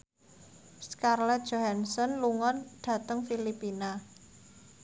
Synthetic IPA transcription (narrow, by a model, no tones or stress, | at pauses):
skarlɛt̪̚ʒ̥oɦansɔnluŋɔnɖ̪̥ä̤t̪əŋfilipina